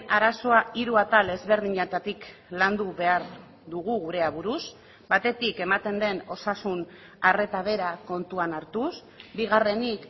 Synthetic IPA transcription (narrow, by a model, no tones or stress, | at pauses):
aɾaso̞aiɾuat̪ale̞zβe̞ɾð̞iɲet̪at̪ikland̪uβe̞aɾ | ðuɣuɣuɾe̞aβuɾus | bat̪e̞t̪ike̞mat̪e̞nd̪e̞no̞sasun | are̞t̪aβ̞e̞ɾako̞nt̪uanaɾt̪us | biɣ̞are̞nik